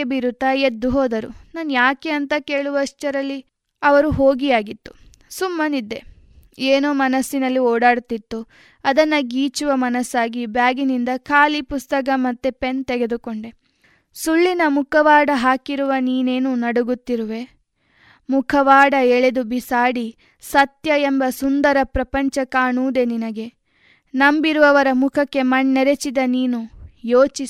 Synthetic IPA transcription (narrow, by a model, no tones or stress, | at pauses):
ebiɾut̪ːɐed̪ːuɦoːd̪ɐɾṵnaːnjaːke̞ɐnt̪ɐke̞ːɭuʋɐʂʈɐɾɐlːi | ɐʋɐɾuɦo̞ːɡijaːɡit̪ːu̥ | sumːɐnid̪ːe | eːnoːmɐnɐsːinɐlːiɔːɽaːɽt̪it̪ːu | ɐd̪ɐnːɐɡiːt͡ʃuʋɐmɐnɐsaːɡibjaːɡinind̪ɐkʰaːlipust̪ɐk̬ɐmɐt̪ːepe̞nt̪ɛɡe̞d̪ukoɳɖe | suɭːinɐmukʰɐʋaːɽɐɦaːkiɾuʋɐniːne̞ːnunɐɽuɡut̪ːiɾuʋe̞ | mukʰɐʋaːɽɐɛɭed̪ubisaːɽi | sɐt̪jɐembɐsund̪ɐɾɐpɾɐpɐɲt͡ʃɐkaːɳuːd̪e̞ninɐɡe̞ | nɐmbiɾuʋɐʋɐɾɐmukʰɐkːe̞mɐɳːɛɾe̞t͡ʃid̪ɐniːnujoːt͡ʃi